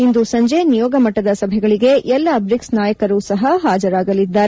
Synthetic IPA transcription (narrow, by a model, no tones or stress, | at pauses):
ind̪usɐɲd͡ʒe̞nijɔːɡɐmɐʈːɐd̪ɐsɐbʱɛɡɐɭiɡe̞ʔɛlːɐbɾiksnaːjɐkɐɾuːsɐɦɐɦaːd͡ʒɐɾaːɡɐlid̪ːaːɾe